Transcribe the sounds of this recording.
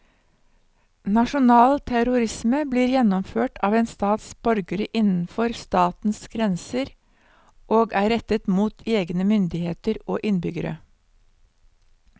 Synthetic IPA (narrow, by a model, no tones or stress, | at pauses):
nɑʃʊnɑːlt̪ʰæɾʊɾɪsməbliːɾjɛnɔmføːʈʰɑːʋeːnst̪ɑːt̪sb̥œɾɡəɾəʔɪnn̩fɔɾst̪ɑːt̪n̩sɡɾɛnsəɾ | ʔoːɡæːɾɛt̪ət̪muːt̪ʰeːɡnəmʏnd̪ɪheːt̪əɾoːʔɪnbʏɡəɾə̰